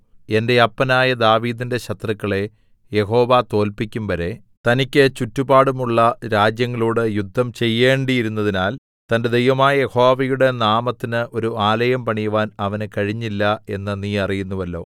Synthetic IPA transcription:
e̞nde̞ɐpːɐnaːjɐd̪aːʋiːd̪inde̞ɕɐt̪rɐkːɐɭe̞ | je̞ɦo̞ːʋat̪o̞ːlpikʲːumʋɐɾe̞ | t̪ɐnikʲːɨt͡ɕutːubaːɽumuɭːɐɾaːd͡ʑjɐŋːɐɭuːɽɨjud̪ʱːɐmt͡ɕe̞jːe̞ːɳɖijiɾunːɐðinaːl | t̪ɐnde̞d̪ejʋɐmaːjɐje̞ho̞ːʋɐjuɽe̞naːmɐt̪ːinɨʔo̞ɾuaːlɐjɐmpɐɳijuʋaːnɐʋɐnekɐɻiɲːilːɐe̞nːɨniːɐrijunːuʋɐlːo̞̰ː

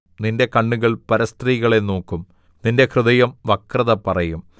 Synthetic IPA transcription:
ninde̞kɐɳːuɣɐɭpɐɾɐst̪riːɣɐɭe̞no̞ːkːum | ninde̞krɨðɐjɐmʋɐkrɐðɐpɐrɐjum

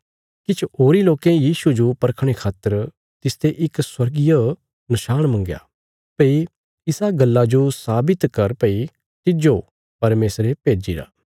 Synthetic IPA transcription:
kɪt͡ʃʰɦoːɾiloːkẽjiːsud͡ʒopɐɾkʰɽ̃ekʰaːt̪ːəɾ | t̪ɪst̪eʔɪkswɐɾɡɪjo | nɐʃaːɽ̃mɐ̃ŋɡja̰ː | pɐi | ɪsaɡɐlːad͡ʒosaːbɪt̪kɐɾpɐi | t̪ɪd͡ʒo | pɐɾmeːsɾepeːd͡ʒḭɾa̰ː

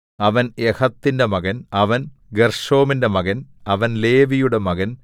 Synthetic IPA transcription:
ɐʋɐnehɐt̪ːinde̞mɐɣɐnɐʋɐnɡerʂo̞ːminde̞mɐɣɐnɐʋɐnle̞ːʋijuɽemɐɣɐn

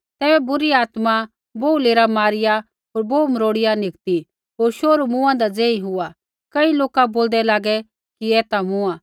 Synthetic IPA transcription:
t̪ɛːbɛbʊɾiaːt̪mã | boːuleːɾamaːɾɪja | ɦoːɾboːməɾoːɽɪjanɪkt̪i | ɦoːɾʃoːɾumʊ̃ãd̪ad͡zẽːĩɦʊa | kɐiloːkaboːld̪ɛlaːɡɛ | kiɛːt̪amʊ̃ãː

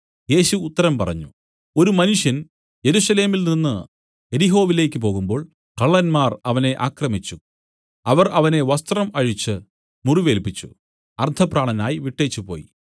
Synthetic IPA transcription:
je̞ːɕuːt̪ːɐɾɐmpɐrɐ̰ɲːu | o̞ɾumɐnuʂjɐn | je̞ɾusɐle̞ːmilninːɨ | e̞ɾiɦo̞ːʋile̞ːkʲːɨp̬o̞ːɣumbo̞ːɭ | kɐɭːɐnmaːrɐʋɐne̞ʔaːkrɐmit͡ɕːu | ɐʋɐrɐʋɐne̞ʋɐst̪rɐmɐɻit͡ɕːɨ | muriʋe̞ːlpːit͡ɕːṵ | ɐrt̪ʰɐpraːɳɐnaːjiʋiʈːe̞ːt͡ɕːupo̞̰ːjḭ

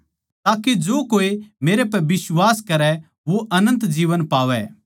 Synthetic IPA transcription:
t̪aːked͡ʒoːkoːimeːɾepɛʋɪswaːskɐɾɛ | ʋoʔɐnə̃nt̪d͡ʒiːʋənpaːʋɛ̰

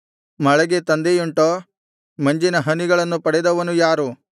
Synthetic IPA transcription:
mɐɭɐɡet̪ɐnd̪ejuɳʈoː | mɐɲd͡ʒinɐɦɐniɡɐɭɐnːupɐɽɛd̪ɐʋɐnujaːɾu

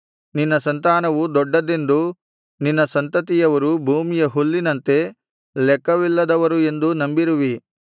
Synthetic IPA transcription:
ninːɐsɐnt̪aːnɐʋud̪ɔɖːɐd̪e̞nd̪u | ninːɐsɐnt̪ɐt̪ijɐʋɐɾubʱuːmijɐɦulːinɐnt̪e̞ | lɛkːɐʋilːɐd̪ɐʋɐɾue̞nd̪unɐmbiɾuʋi

